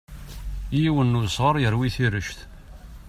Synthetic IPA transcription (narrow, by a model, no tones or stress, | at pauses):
jiwənːʊsʁəɾˤjəɾwiθiɾəʃθ